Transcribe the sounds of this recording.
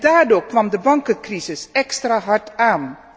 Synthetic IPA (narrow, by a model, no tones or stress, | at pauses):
daːɹdoːɹkʋɑmdəbɑŋkəkrizɪsɛkstraːɦɑɹtaːn